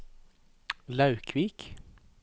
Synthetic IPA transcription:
lɑʉkʰʋiːk

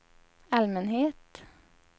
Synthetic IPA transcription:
ælmənheːt̪

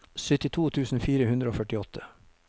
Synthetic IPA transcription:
sʏt̪ɪt̪ʰuːt̪ʰʉːsn̩fiːɾəhʉnd̪ɾəoːfœʈɪɔt̪ʰə

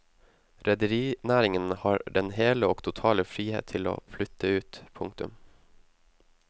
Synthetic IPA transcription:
ɾɛd̪əɾiːnæːɾɪŋənhɑːɾɖɛnheːləoːɡt̪ʰʊt̪ʰɑːləfɾiːhḛːt̪ʰɪlo̰ːflʏt̪ʰəʉːt̪pʰʊŋk̚t̪ʉ̰m

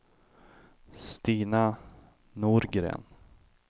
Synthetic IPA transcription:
st̪iːna | nuɾɡɾḛːn

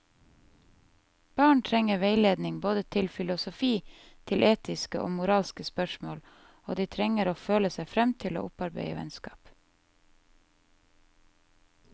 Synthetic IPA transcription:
b̥ɑːɳʈʰɾɛŋəʋeɪleːd̪nɪŋboːd̪ət̪ʰɪlfɪlʊsʊfiː | t̪ʰɪlʔeːt̪ɪskəʔo̰ːmʊɾɑːlskəspœʃmoːl | o̰ːd̪iːt̪ʰɾɛŋəɾoːføːləsæɪfɾɛmt̪ʰɪlo̰ːʔʊpɑɾbḛɪə̰ʋɛ̰nskɑ̰ːp

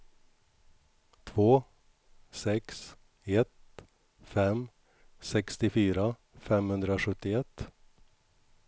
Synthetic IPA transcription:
t̪ʰvoː | sɛks | ɛt̪ | fɛm | sɛkst̪ɪfyːɾa | fɛmhɵnd̪ɾaaɧɵt̪ːɪɛt̪ː

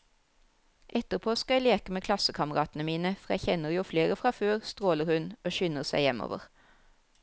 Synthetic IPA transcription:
ʔɛt̪əʁpʰoːskɑæɪleːkəmeːkʰlɑsəkʰɑməʁɑ̰ːt̪n̩əmiːnəfɔʁjæɪçɛnəʁjuːfleːʁəfʁɑføːʁst̪ʁoːləʁhʉnoːʃʏnəʁsæ̰ɪjɛmo̰ːʋə̰ʁ

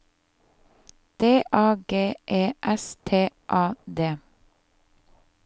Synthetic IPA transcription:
d̪̥eːʔɑːɡeːʔeːʔɛst̪ʰeːʔɑːd̪eː

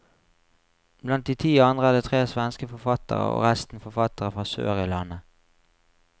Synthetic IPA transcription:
blɑnt̪̚d̪iːt̪ʰiːɑnd̪ʁəæːd̪iːt̪ʰʁeːsʋɛnskəfɔfɑt̪ə̰ʁə̰o̰ːʁæst̪n̩fɔfɑt̪əʁəfʁɑːsø̰ːʁɪlɑnə

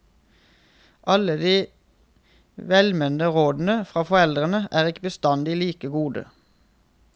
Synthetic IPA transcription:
ʔɑləd̪iː | ʋɛlmɛnd̪əʁoːd̪n̩əfʁɑːfɔʁɛld̪ʁənəʔæːʁɪkəbəst̪ɑnd̪iːliːkəɡuːd̪ə̰

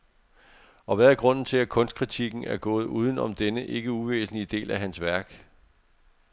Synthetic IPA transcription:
ɒ̽ʋæðæɐɡ̥ʁɔ̽n̰n̩t͡sʰe̝lækʰɔ̽nsd̥ɡ̥ʰʁit͡sʰiɡ̥n̩æɐɡ̥ɔ̰̽ːð̞̩ˠuːð̞ˠn̩ɒ̽md̥enəʔe̝ɡ̥əuʋḛːsn̩liəd̥e̝̰ːlæɦænsʋæɐɡ̥

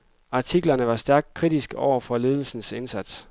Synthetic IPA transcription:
ɑ̈t͡sʰiɡ̥lɐnəʋɑ̈sd̥æɐɡ̥̚d̥̚kʰʁid̥isɡ̥ɒʊ̰ɐfɒ̽le̝ːð̞ˠl̩sn̩se̝nsæd̥s

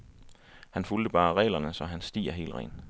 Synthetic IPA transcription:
hænfuld̥əb̥ɑ̈ːʁɛ̰ːlɐnəsɒ̽ɦænsd̥ḭːɐɦe̝̰ːlʁɛ̰ːn

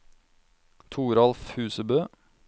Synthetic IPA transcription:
t̪ʰuːɾɑlfhʉːsəbøː

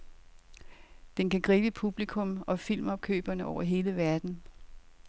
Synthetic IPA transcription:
d̥enkæɡ̥ʁiːb̥əpʰub̥likʰɔ̽mɒ̽fil̰mɒ̽b̥̚kʰø̰ːb̥ɐnəʔɒʊɐɦe̝ːləʋæɐd̥n̩

